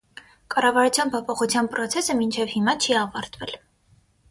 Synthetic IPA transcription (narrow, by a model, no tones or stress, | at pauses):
kɑrɑvɑɾut͡sʰjɑnpʰɔpʰɔχut͡sʰjɑnpɾɔt͡sʰɛsəmint͡ʃʰɛvhimɑt͡ʃʰiɑvɑɾt̪vɛl